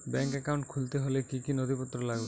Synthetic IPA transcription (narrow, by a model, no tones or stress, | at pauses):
bɛŋkɛkaw̃ɳʈkʰult̪eɦolekikinod̪ipɔt̪ːɾɔlaɡu